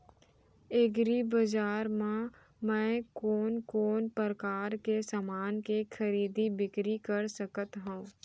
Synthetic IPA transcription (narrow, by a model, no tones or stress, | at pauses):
eɡɾibəd͡ʒaːɾmã | mɛ̃ːkoːnkoːnpəɾəkaːɾkesamaːnkekʰəɾiːd̪ibɪkɾikəɾsəkət̪ɦũː